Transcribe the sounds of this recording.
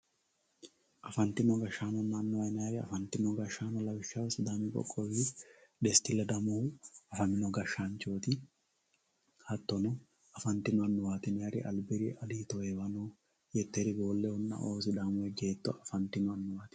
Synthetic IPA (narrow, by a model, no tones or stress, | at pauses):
ʔɐfɐnt̪ɪnɔɡɐʃːaːnɔnːɐːnːʊwɐjnɐɐɾɪɐ̰fɐnt̪ɪnɔɡɐʃːaːnɔlɐbɪʃːɐwsɪd̪aːmɪkʼɔ̰kʼːɔwid̪ɛst̪ɪlːɛd̪ɐmɔɐfɐnɪnɔɡɐʃːaːnt͡ʃoːt̪ɪ | hɐt̪ːɔnɔ | ɐfɐnt̪ɪnɔɐnːʊwaːt̪ɪnɛjɐɾɪʔɐ̰lbɪɾɪʔɐliːt̪ɔewɐnɔ | jɛt̪ːɛɾɪɡoːlːɛhɔnːɐ̰ʔoːsɪd̪aːmʊɛɡe̞ːt̪ːɔʔɐfɐnt̪ɪnʊɐnːʊwaːt̪ɪ̥